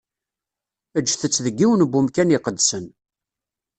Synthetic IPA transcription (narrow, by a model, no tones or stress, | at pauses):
əd͡ʒːθət͡sːðəɡːiwənbːumkænɪqəd̪sən